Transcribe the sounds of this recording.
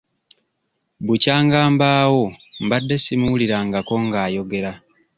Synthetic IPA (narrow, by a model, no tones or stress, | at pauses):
bucaːŋɡaːmbaːwo̞mbadːe̞simuwuliɾaŋɡako̞ŋɡaːjo̞ɡe̞ɾa